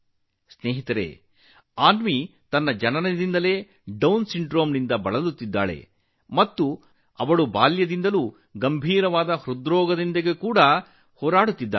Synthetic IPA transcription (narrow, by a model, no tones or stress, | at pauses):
sneːɦit̪ɐɾḛː | aːnmit̪ɐnːɐd͡ʒɐnɐnɐd̪ind̪ɐle̞ː | ɖɐwnsiɳɖɾoːmnind̪ɐbɐɭɐlut̪ːid̪ːa̰ːɭḛ | mɐt̪ːu | ɐʋɐɭubaːljɐd̪ind̪ɐluː | ɡɐmbʱiːɾɐʋaːd̪ɐhɾud̪ɾɔːɡɐd̪ind̪ɐɡe̞kuːɽɐ | hoːɾaːɽut̪ːid̪ːaː